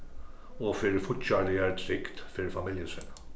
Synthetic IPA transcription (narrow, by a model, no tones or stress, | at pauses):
ʊfɪlfʊt͡ʃːɐliɛɾt̪ɾɪkt̪fɪlfɐmɪljɪsɛnɐ